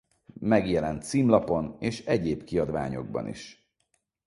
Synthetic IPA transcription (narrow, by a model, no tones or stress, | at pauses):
mɛɡjɛlɛnt̪siːmlɒpo̞neːʃɛɟeːbkiɒd̪ʋa̰ːɲo̞̰ɡ̚bɒ̰nʔḭʃ